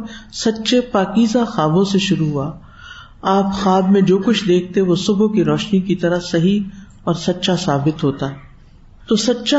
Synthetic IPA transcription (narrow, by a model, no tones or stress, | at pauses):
sɐtːʃepaːkiːzaxaːbõseʃʊɾuɦua | aːpxaːbmẽd͡ʒoːkʊt͡ʃʰd̪eːk̚ʰt̪eʋosʊbʱkiɾɔːʃnikit̪ɐɾasɐɦi | ɔːɾsɐtːʃʰasaːbɪt̪ɦoːt̪aː | t̪oːsɐtːʃʰa